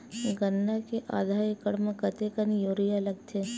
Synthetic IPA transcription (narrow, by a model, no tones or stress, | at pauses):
ɡənːakeʔa̰ːd̪ʱaːjkəɽməkət̪ekənjoːɾijalɐɡ̚t̪ʰe